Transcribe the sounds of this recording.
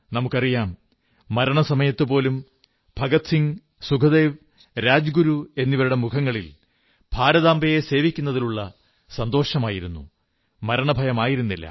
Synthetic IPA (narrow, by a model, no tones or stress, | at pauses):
nɐmukːɐrijaːmː | ɐɾɐɳɐsɐmɐjɐt̪ːɨpo̞ːlum | bʱɐɡɐt̪siŋ | sukʰɐd̪e̞ːʋ | ɾaːd͡ʑɡuɾue̞nːiʋɐɾuɽe̞mukʰɐŋːɐɭil | b̥ʱaːɾɐðaːmbɐje̞se̞ːʋikʲːunːɐðiluɭːɐ | sɐnd̪o̞ːʂɐmaːjiɾunːṵ | mɐɾɐɳɐbʱɐjɐmaːjiɾunːilːɐ̰